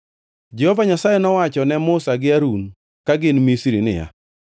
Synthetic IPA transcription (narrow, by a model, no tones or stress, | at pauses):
d͡ʒɛhɔvaɲasajɛnɔwat͡ʃɔnɛmʊsaɡɪaɾun | kaɡɪnmisɾinɪ̰ja̰